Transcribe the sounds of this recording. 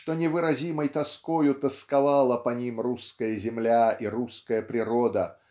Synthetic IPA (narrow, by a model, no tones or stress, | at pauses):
ʂt̪onʲɪvɨɾɐzʲiməjt̪ɐskojʊt̪əskavalˠəpɐnʲimruskəjəzʲɪmlʲaiɾuskəjəpɾʲɪɾod̪ə